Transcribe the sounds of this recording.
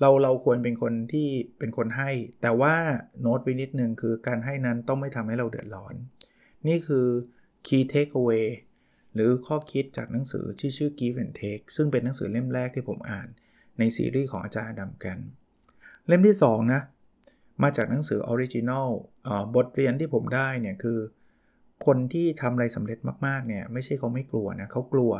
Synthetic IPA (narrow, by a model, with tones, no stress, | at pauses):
ɾa˧wɾa˧wkʰu˧ənpe˧nkʰo˧nt̪ʰiː˥˩pe˧nkʰo˧nɦa˥˩jt̪ɛː˨˩waː˥˩noː˦˥t̪̚wa˧jni˦˥t̪̚nɯ˨˧ŋkʰɯː˧kaː˧nɦa˥˩jna˦˥nt̪ɔ˥˩ŋma˥˩jt̪ʰa˧mha˥˩jɾa˧wdɯ̰˨˩ət̪̚lɔː˦˥nː | iː˥˩kʰɯː˧ | kʰiː˧t̪ʰeː˦˥k̚ʰːweː˧ | ɾɯː˩˦kʰɔː˥˩kʰi˦˥t̪̚t͡ɕaː˨˩k̚na˩˦ŋsɯ̰ː˩˦tʰiː˥˩t͡ɕʰɯː˥˩kiː˧fe˧˩nt̪ʰeː˦˥k̚sɯ˥˩ŋpe˧nːa˨˦ŋsɯ̰ː˩˦le˥˩mɾɛː˥˩k̚t̪ʰiː˥˩pʰo˩˦mʔa̰ː˨˩nː | a˧jsḭː˧˦ɾiː˥˩kʰɔː˩˦ŋʔaː˧t͡ɕaː˧nʔa˧da˧mka˧n | le˥˩mt̪ʰiː˥˩sɔː˩˦ŋna˦˥ | maː˧t͡ɕaː˨˩k̚na˩˦ŋsɯː˩˦ʔɔː˧ɾi˦˥t͡ɕi˧na˥˩wʔəː˨˩bo˨˩t̪̚ɾi˧ənt̪ʰiː˥˩pʰo˩˦mdaː˥˩jni˥˩kʰɯː˧ | kʰo˧nt̪ʰiː˥˩t̪ʰa˧mɾa˧jsa˩˦mɾe˨˩t̪̚maː˥˩k̚maː˥˩k̚ni˥˩ɐma˥˩jʰa˥˩jkʰa˦˥wma˥˩jklu˧ɐna˦˥kʰa˦˥wklu˧ɐ